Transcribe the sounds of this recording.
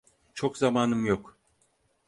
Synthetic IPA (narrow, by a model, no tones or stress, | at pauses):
t͡ʃʰo̞kzamaːnɯmjok